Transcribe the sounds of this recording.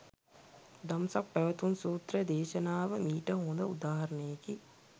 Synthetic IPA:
d̪amsak̚pæʋət̪unsuːt̪ɾəd̪eːʃɐnaːʋəmiːʈəɦõːnd̪əud̪aːɦɐɾɐnəjeki

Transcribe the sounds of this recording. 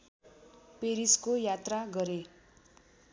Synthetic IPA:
peɾiskojat̪raɡʌɾe

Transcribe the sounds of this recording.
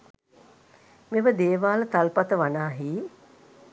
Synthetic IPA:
meʋəd̪eːʋaːlət̪alpat̪əʋanaːɦiː

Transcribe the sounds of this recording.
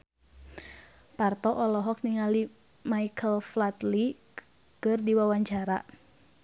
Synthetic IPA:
part̪ɔʔɔlɔɦɔk̚niŋali | maikʰəlflat̪li | kɨrdiwawaɲt͡ʃaɾa

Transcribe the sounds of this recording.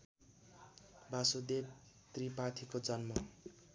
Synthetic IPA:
bʱasod̪eb | t̪ripat̪ʰikod͡zʌnmʌ

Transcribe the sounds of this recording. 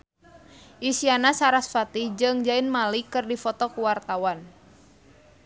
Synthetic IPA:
ʔisianasaɾasfat̪id͡ʒɨŋd͡ʒaɪnmalikɨrdifɔt̪ɔkuwart̪awan

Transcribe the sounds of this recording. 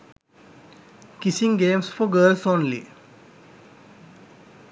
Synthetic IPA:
kisĩŋɡẽːmsfɔɡəːlsɔ̃nlḭ

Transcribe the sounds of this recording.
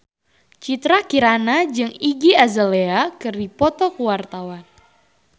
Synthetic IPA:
t͡ʃit̪ɾakiɾanad͡ʒɨŋiɡiazəleakɨrdipɔt̪ɔkuwart̪awan

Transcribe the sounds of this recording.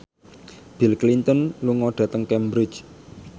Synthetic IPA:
b̥ilklint̪ənluŋɔɖ̥ä̤t̪əŋkɛmbɾɪ̥t͡ʃ

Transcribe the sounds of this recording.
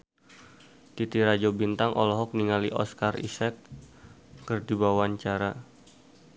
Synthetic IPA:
t̪it̪iɾad͡ʒobint̪aŋʔɔ̰lɔɦɔk̚niŋaliʔɔskarḭsɛk̚ | kərdibawaɲt͡ʃaɾa

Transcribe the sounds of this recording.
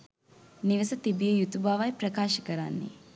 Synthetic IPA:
niʋəsɐt̪ibijəjut̪ubaːʋajpɾɐkaːʃəkəɾanːḛ

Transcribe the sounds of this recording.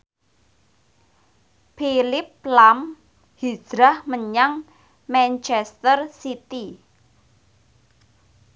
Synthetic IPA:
pilɪp̚lam | hi̥d̥ɾahməɲaŋ | mɛnt͡ʃɛst̪ərsit̪i

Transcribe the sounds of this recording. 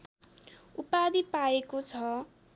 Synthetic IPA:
upad̪ipaekot͡sʰʌ

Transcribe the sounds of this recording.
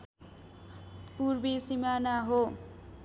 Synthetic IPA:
puɾbisimanaɦo

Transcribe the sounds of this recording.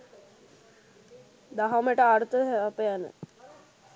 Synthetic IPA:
d̪aɦaməʈəaɾt̪əɦapəjanə̰

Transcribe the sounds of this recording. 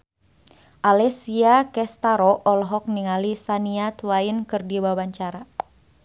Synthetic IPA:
ʔalɛsiakɛst̪aɾɔʔɔlɦɔk̚niŋalisaniat̪wainkɨrdiwawaɲt͡ʃaɾa

